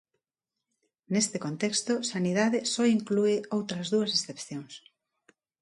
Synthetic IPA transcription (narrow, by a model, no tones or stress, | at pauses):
nest̪ekont̪ɛkst̪osanið̞aðɪsɔiŋkluɪowt̪ɾɐzðuɐsesθepθjoŋs